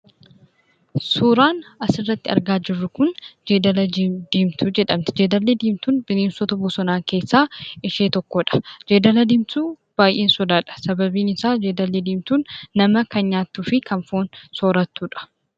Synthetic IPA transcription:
suːɾaːnɐsɪrːɐt̪ːɪɐ̰ɾɡaːd͡ʒɪrːʊkʊnd͡ʒeːd̪ɐlɐd̪iːmt̪uːd͡ʒɛᶑɐmt̪ɪ̥d͡ʒeːd̪ɐlːed̪iːmt̪uːnbɪneːnsɔt̪ɐbʊsɔnaːŋke̞ːsːaːʔɪʃeːt̪ɔkːɔᶑɐ̥d͡ʒeːd̪ɐlɐd̪ɪːmt̪uː | b̥aːjʔeːnsɔd̪aːᶑɐ̥sɐbɐbiːnɪsaːd͡ʒeːd̪ɐlːeːd̪iːmt̪uːnːɐmɐkɐnɲaːt̪ːuːfɪkɐnfoːnsoːɾɐt̪ːuːᶑɐ̥

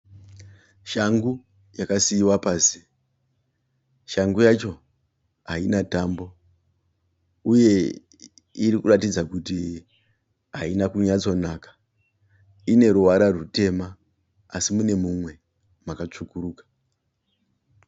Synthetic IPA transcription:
ʃaŋɡu | jakasiiwapaːsi̥ | ʃaŋɡujat͡ʃo̞ | ainataːmbo̞ | uje̞ | iɾikuratid͡zakuti | ɦainakuɲat͡so̞nakḁ | ine̞ɾuʋaɾarute̞ma | asimune̞mumwe̞ | makat͡ʂukuɾuːkḁ

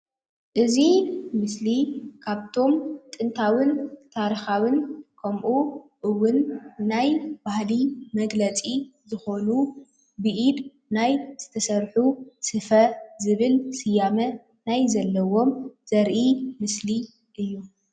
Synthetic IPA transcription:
ʔɨzimɨslikʰaβt̪ʰo̞mt̪ʼɨnt̪ʰawɨnt̪ʰaɾixawɨnkʰɐmʔuʔɨwʊnːajbahlimɐɡlɐt͡sʼizɨxo̞nu | bɨʔid̪ | najz̥ɨt̪ʰɐsɐɾħusɨfɐzɨβɨlsɨjamɐ | najzɐlːɐwo̞mz̥ɐɾʔimɨsli | ʔɨjːu

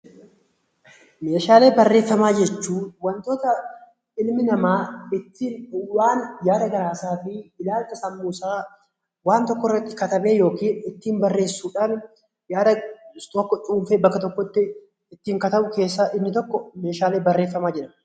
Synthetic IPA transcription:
me̞ːʃaːle̞ːbɐrːeːfːɐmaːd͡ʒɛt͡ʃːuːwɐnt̪o̞ːt̪ɐ | ɪlmɪnɐmaːɪt̪ːiːnwaːnjaːd̪ɐɡɐɾaːsaːfɪɪlaːlt̪ɐsɐmːuːsaː | waːnt̪ɔkːɔɪrːɐt̪ːɪ̥kɐt̪ɐbe̞ːjo̞ːkiːnɪt̪ːiːmbɐrːe̞ːsːuːᶑaːn | jaːd̪ɐt̪ɔkːɔt͡ʃʼuːmfeːbɐkːɐt̪ɔkːɔɪt̪ːɪ | ɪt̪ːiːŋkɐt̪ɐʔʊke̞ːsːɐʔɪbnɪt̪ɔkːɔme̞ːʃaːle̞ːbɐrːe̞ːfːɐmaːd͡ʒɛᶑɐm

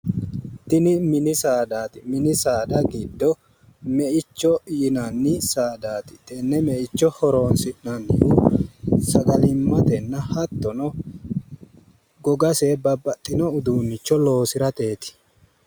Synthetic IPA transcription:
t̪ɪnɪmɪnɪsaːd̪aːt̪ɪmɪnɪsaːd̪ɐɡɪd̪ːɔ | mɛʔɪt͡ʃːɔjɪnɐnːɪsaːd̪aːt̪ɪ̥t̪ɛnːɛmɛʔɪt͡ʃːɔhɔɾo̞ːnsɪʔnɐnːɪju | sɐɡɐlɪmːɐt̪ɛnːɐhɐt̪ːɔnɔ | ɡɔɡɐseːbɐbːɐt̪ʼːɪnɔʊd̪uːnːɪt͡ʃːɔlo̞ːsɪɾɐt̪e̞ːt̪ɪ̥

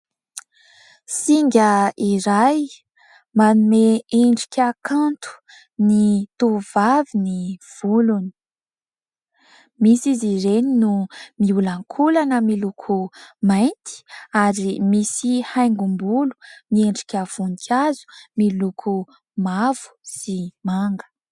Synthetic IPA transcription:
siŋɡʲəiɾaj | manumeeɳɖ͡ʐi̥kʲakʰant̪u̥ | nit̪uvaviniv̥uluni̥ | misiziɾeninumiulaŋkʰulanəmilukʰumajnt̪i̥aɾimisihajŋɡumbulu̥mieɳɖ͡ʐi̥kʲəv̥unikʲʰazu̥milukʰu | mav̥u̥z̥imaŋɡə̥

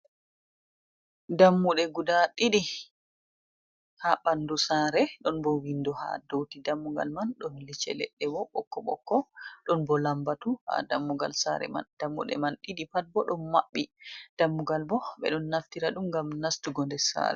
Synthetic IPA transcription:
damːuɗɛɡudaɗiɗi | haɓandusaɾɛɗɔnbɔwindɔha̰dowtidamːuɡa̰lmanɗɔnlit͡ʃɛ̰lɛ̰ɗːɛwɔɓɔkːɔɓɔ̰kːɔɗɔnbɔlambatuha̰damːuɡa̰lsa̰ɾɛ̰ma̰nd̥amːṵɗɛ̰manɗiɗipat̚bɔɗɔnmaɓːid̥amːuɡalbɔɓɛ̰ɗɔnːaftiɾaɗumŋɡamnastuɡɔndɛsa̰ɾɛ

